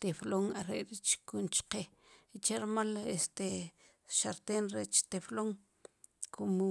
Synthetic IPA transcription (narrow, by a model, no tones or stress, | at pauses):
t̪efloŋaɾeʔɾit͡ʃkunt͡ʃqe | it͡ʃeɾmalest̪e | ʃaɾt̪eːnɾet͡ʃt̪efloŋ | kʰumu